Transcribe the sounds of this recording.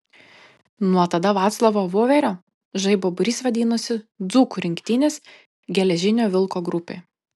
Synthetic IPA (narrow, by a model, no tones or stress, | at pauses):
nuɔt̪ɐd̪ɐʋɑːt̪slˠɐʋoːʋoːʋʲɛɾʲoː | ʒɐɪboːbʊɾʲiːsʋɐd̪ʲiːnʊsʲɪd̪zuːkʊɾʲɪŋʲkt̪ʲɪnʲɪs | ɡʲɛlʲɛʒʲɪnʲoːʋʲɪlˠkoːɡɾʊpʲḛː